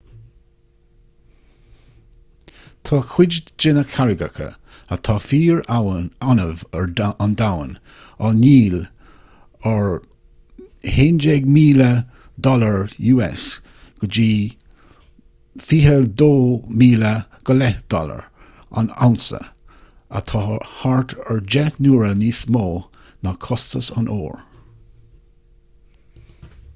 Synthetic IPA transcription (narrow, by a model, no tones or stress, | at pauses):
t̪ʰɑːkʰw̥ɪd͡ʒd͡ʒɪnəkʰaɹɪɡə̰kʰə̰ | ət̪ʰɑːfiːɹawnanəvəɹand̪awən | aniːl | əɹ | heːnd͡ʒɛɡmiːlə | d̪ɔləɹjuːɛ̰s | ɡ̥əd͡ʒiː | fiːɦəd̪oːmiːləɡ̥əlɛd̪̥ɔ̰lə̰ɹ | a̰na̰wnsə̰ | ə̰t̪ʰɑhaɹt̪ʰəɹd͡ʒɛtnuːɹəniːsmoː | nakʰɔstəsanʔo̰ːɹ